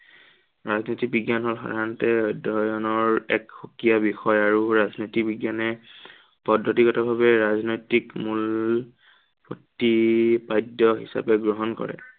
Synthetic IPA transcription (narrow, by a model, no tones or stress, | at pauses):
ɹaznɔjtik̚biɡjanɦolxa̰dʱantɛdʱɔɹjɔnɔɹɛ̰kxokijabixɔjaɹuɹaznɔjtikbiɡjanɛ | pɔdʱːɔtikɔtabʱabɛɹaznojtikmul | potːipajdɔɦḭsa̰pɛɡɹɔɦɔnkɔ̰ɹɛ̰